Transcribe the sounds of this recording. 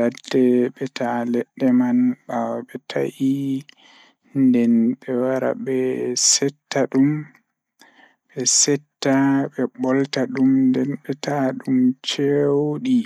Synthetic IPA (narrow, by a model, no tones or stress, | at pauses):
ladːɛɓɛtʰalɛɗːɛmanɓawaɓɛtʰa̰ʔi | ndɛnɓɛwaɾa̰ɓɛsɛtːaɗum | bɛsɛtːaɓɛbɔltaɗumndɛnɓɛtaɗumt͡ʃewɗi